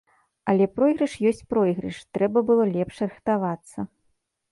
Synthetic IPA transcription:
ɐlʲɛpɾɔjɣɾɨʂjɔsʲt͡sʲpɾɔjɣɾɨʂt̪ɾɛbɐbɨlˠɔlʲɛpʂɾɨxt̪avat̪sːɐ

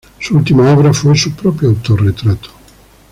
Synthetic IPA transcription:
suult̪imaɔpeɾafuelsupɾɔpɾjoawt̪oret̪ɾat̪ʰːo̥

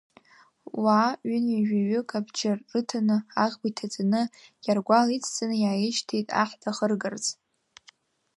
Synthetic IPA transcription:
waʏniʒʷᶣaɥʏkʰʼabd͡ʒarɨtʰanɨaʁʲbitʰad͡zanɨjarɡʷalit͡sʰt͡sʰʼanɨjaːjɪʃtʰejtʼa̰ħdʰʼaχərɡɨrt͡sʼ

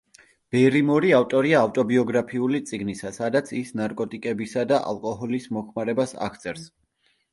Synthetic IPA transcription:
b̥ɛɾimɔɾiaft̪ʼɔɾiaːft̪ʼɔbiɔɡɾapʰiulit̪sʼiɡnisasad̪at̪sʰisnaɾkʼɔt̪ʼikʼɛbisad̪aʔa̰lˠkʼɔɦɔlismɔkʰmaɾɛbasa̰kʰt̪sʰʼɛɾs

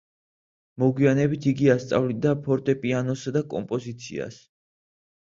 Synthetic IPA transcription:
mɔɡwianɛbit̪ʰiɡiast̪sʼa̰vlid̪apʰɔɾt̪ʼɛpʼianɔsad̪akʼɔ̰mpʼɔzit̪sʰḭa̰s

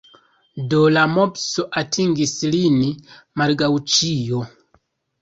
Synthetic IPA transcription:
dolamopsoʔatʰiŋɡislini | maɾɡawt͡ʃijo

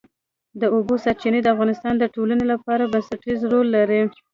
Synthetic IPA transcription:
d̪əobosaɾt͡ʃined̪əafɣɑnɪst̪ɑnd̪əʈolanelapɑɾabansaʈizɾolːaɾi

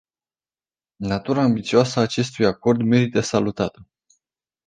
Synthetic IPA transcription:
nat̪uɾaːmbit̪sioasəat͡ʃe̞st̪ujako̞rd̪me̞ɾit̪əsalut̪at̪ə

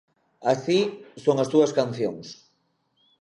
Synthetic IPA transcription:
asisoŋɐst̪uɐskanθjoŋs

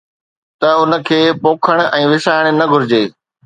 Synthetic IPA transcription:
t̪ɐʊnə̆kʰeːpoːkʰəɽ̃̆ɛ̃ːʋɪsaːɪɽ̃nɐɡʱʊɾɪd͡ʑeː

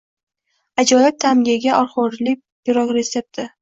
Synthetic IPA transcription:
ad͡ʒɒjɪp̚t̪ʰamɡʲaɡʲaʔɒɾχʊɾlɪk̚ʲ | b̥ɪɾɒkɾesep̚t̪ɪ

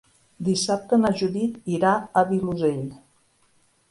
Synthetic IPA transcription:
d̪isap̚t̪ənaʒuðit̪iɾaəβiluzeʎ

